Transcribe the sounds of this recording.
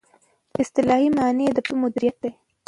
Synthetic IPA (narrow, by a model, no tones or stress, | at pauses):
ɪst̪ɪlɑhimɑned̪əpəmʊd̪ɪɾijat̪̚d̪ej